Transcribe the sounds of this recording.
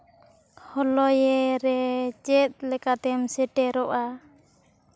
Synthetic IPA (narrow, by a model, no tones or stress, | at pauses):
hɔlɔjɛɾɛt͡ʃɛt̪̚lɛkat̪ɛmsɛʈɛɾoʔa